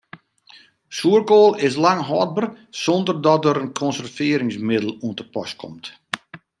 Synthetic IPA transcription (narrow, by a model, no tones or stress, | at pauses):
suərkoːlˠɪs̬laŋɦɔːd̚bər | sɔndərdɔtəɾənkʰɔnsərfɪːɾɪŋsmɪdəlˠuəntəpɔ̰skʰɔ̰mt